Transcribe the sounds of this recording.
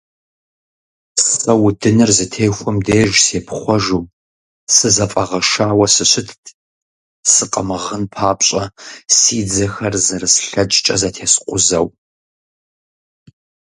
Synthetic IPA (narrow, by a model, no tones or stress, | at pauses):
ssɐwdɨnɨrzɨtʰeːjxʷɔmdeːʒseːpʰχʷɔʒuː | sɨzɐfʼɐʁɐʃaːwɐsɨɕʷɪtʰ | sɨqʼɐmɨʁənpʰaːpɕʼɐsiːd͡zɐxɐrzɐrɨsɬɐd͡ʒʼt͡ʃʼɐzɐtʰeːsqʷʼʊzɐw